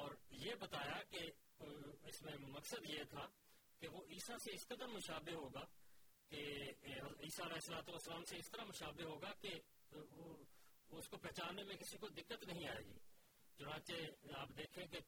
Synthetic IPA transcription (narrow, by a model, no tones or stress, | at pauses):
ɔːɾjeːbɐt̪aːjake | ɪsmẽmɐksəd̪jet̪ʰa | keʋoʔiːsaseɪskəd̪əɾmʊʃaːbeɦoːɡakeɦiːsaɪlɛɦesəlaːt̪uʋəsːəlaːmseɪst̪əɾamʊʃaːbeɦoːɡake | ʊskopɛɦːt͡ʃaːnemẽkɪsikod̪ɪkːət̪nɐɦĩaːeːɡḭː | t͡ʃʊnaːt͡ʃeaːpd̪eːkʰẽke